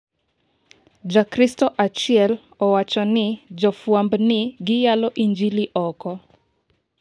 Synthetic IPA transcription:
d͡ʒakɾistɔʔat͡ʃiɛl | ɔwat͡ʃɔnɪd͡ʒɔfwambnɪɡɪjalɔʔiɲd͡ʒiliʔɔkɔ

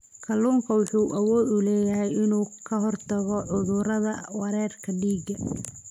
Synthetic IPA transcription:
kʰɐluːŋkʰɐwɑħuːʔɐwɔːd̪ʊlɛːjɐɦɛjɪnuːkʰɐɦɔrt̪ʰɐɣɔʕʊðʊɾɐðɐwɐɾɛːrkʰɐɖiːɡɐ

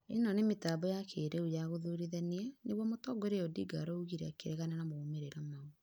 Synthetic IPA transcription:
enɔnemetabɔjakʰeːɾeujaɣoðoɾiðɛneaneβwɔmotɔɡoɾeɔdiɡa̰ɾɔuɣiɾɛakeɾɛɣananamoːmeɾeɾamao

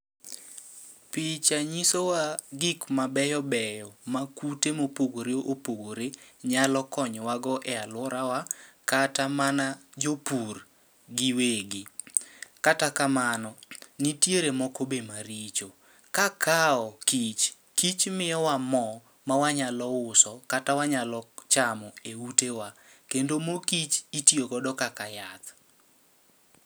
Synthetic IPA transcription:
pit͡ʃaɲisowaɡikmabɛjɔbɛjɔmakutemopoɡoɾeʔopoɡoɾeɲalɔkɔɲwaɡɔʔɛalwɔɾawakatamanad͡ʒopur | ɡiweɡi | katakamanɔnitjeɾemɔkobemaɾit͡ʃo | kakʰaɔkit͡ʃ | kit͡ʃmɪjɔwamɔ | mawaɲalɔʊsɔkatawaɲalɔt͡ʃamɔeutewa | kendomokit͡ʃitjoɡɔdɔkakajat̪

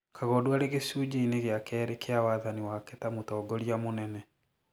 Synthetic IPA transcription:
kʰaɣɔdoaɾeɣesud͡ʑeineɣeakɛːɾekeawaːðaniwakɛtamotɔːɡɔɾiamonɛnɛ

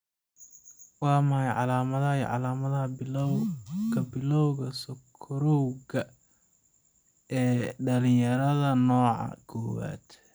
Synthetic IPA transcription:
wɑːmɐhɐjʕɑ̰laːmɐðɐɐiʕɑ̰laːmɐðɐhɐbɪwkʰɐbɪlɔwɣɐsɔkʰɔɾɔwɣɐ | ɛːɖɐlɪ̃jɐɾɐðɐnɔːʕɑ̰kʰɔːwa̰ːd̪̥

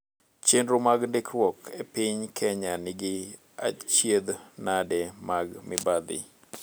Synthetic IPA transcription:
t͡ʃendɾomaɡndɪkɾwɔkʰepɪɲkʰɛɲanɪɡɪ | a̰t͡ʃjed̪nadɛmaɡmɪbad̪ɪ̰

